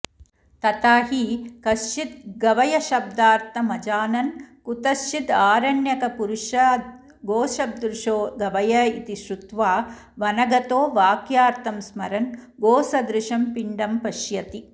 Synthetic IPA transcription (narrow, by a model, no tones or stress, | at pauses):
t̪ɐt̪aːɦikɐsʃit̪̚ɡɐʋɐjɐʃɐb̚d̪aːɾt̪ɐmɐd͡ʒaːnɐnkut̪ɐsid̪aːɾɐɳjɐkɐpuɾuʃɐ | ɡoːʃɐb̚d̪ɾuʂoːɡɐʋɐjɐit̪iʃɾut̪ʋaː | ʋɐnɐɡɐt̪oːʋaːkjaːɾt̪ʰɐmsmɐɾɐn | ɡoːsɐd̪ɾɪʃɐmpiɳɖɐmpɐʃjɐt̪i